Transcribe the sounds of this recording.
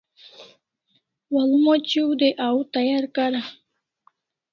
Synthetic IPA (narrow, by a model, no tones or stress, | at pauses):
walumot͡ɕiwd̪eʔawt̪ajaɾkaɾa